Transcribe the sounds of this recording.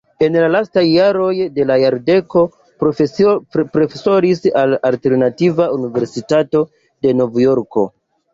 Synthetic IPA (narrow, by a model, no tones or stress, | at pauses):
e̞nlalastajːaɾo̞jde̞lajaɾde̞ko̞ | pɾofepɾo̞feso̞ɾisalalte̞ɾnativaunive̞ɾsitato̞ | de̞no̞vjo̞ɾko̞̰